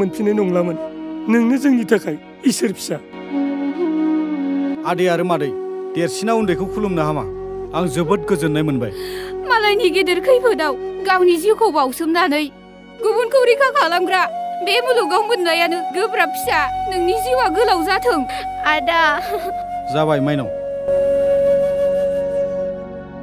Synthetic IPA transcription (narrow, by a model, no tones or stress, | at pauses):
mɯnpʰinajnɔŋlamɯnnɯŋnɯzɯŋnitʰakʰaj | isɯɾpʰi̥sa | adejaɾɯmadɯjdeɾsinaundejkʰɯwkʰulumnaɦama̰aŋzɯbɯt̚ɡɯzɯnːajmɯnba̰jmalajniɡedɯɾkʰɯjpʰɯdawɡawnizikʰowbaawsɯmnanɯj | ɡubunkʰɯwɾikʰakʰalamɡɾabemɯluɡawmɯt̚najanɯɡɯbɾapʰi̥sanɯŋniziwaɡɯlawzatʰɯŋ | ada | zaβajmajna̰w